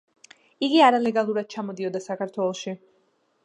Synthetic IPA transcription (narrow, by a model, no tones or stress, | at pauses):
iɡiaɾalɛɡalˠuɾad̪̥̚t͡ʃʰamɔd̪iɔd̪asakʰaɾt̪ʰwɛlˠɔʃi